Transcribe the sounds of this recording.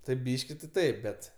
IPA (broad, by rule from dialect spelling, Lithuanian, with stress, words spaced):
tɐɪp ˈbʲiːʃʲkʲɪ tʲɪ ˈtɐɪp bʲɛt